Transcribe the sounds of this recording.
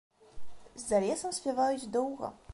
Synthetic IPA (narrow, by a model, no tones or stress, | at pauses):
zːɐlʲɛsɐmsʲpʲavajud͡zʲd̪ɔwɣɐ̰